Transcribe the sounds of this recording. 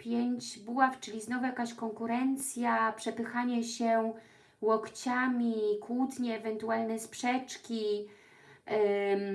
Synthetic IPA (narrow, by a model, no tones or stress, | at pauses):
pʲjeɲd͡ʑbuwaft͡ʂɘlʲiznɔvujakaɕkɔŋkuɾɛnt̪sʲjapʂɛpɘxaɲɛɕɛ | wɔkt͡ɕamʲikwut̪ɲɛːvɛnt̪ualnɛspʂɛt͡ʂkʲi